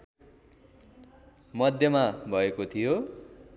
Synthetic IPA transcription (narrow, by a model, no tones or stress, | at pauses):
mʌd̪ʱjʌmabʱʌekot̪ʰijo